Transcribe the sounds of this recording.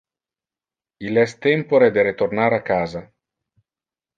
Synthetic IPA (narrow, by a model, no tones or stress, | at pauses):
ilɛst̪empoɾed̪eɾet̪ornaɾakːaːza